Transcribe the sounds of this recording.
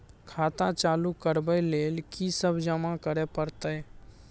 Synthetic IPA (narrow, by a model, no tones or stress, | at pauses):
kʰaːt̪ãt͡ʃaːlukəɾbəleːlkisəbʱd͡ʒəmãkəɾepəɾt̪ə